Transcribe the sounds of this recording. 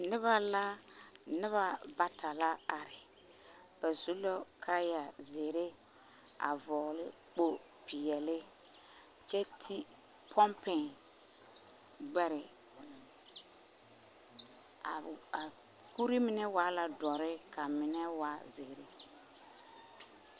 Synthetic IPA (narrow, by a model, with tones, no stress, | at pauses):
nɪ˦βa˦la˦nɪ˦βa˨ba˨tʰa˨la˦a˨ɾɪ˨ | b̥a˨zu˦lo˦kʰa˦ja˨ze˨ɾe˦ | a̰˨vɔ˨ɣlɪ˦ | k͡po˦ | pʰɪ˨jɛ˨lɪ˦ | t͡ʃɛ˦tʰi˦ | pʰɔ˦mpɛ˨ŋ | ɡ͡bɛ˦ɾɪ˨ | a˨a˨ | ku˦ɾi˦mɪ˨nɛ˦wa˨˦la˨dɔ˨ɾɪ˦ka˨mɪ˨nɛ˦wa˨˦ze˨ɾe˦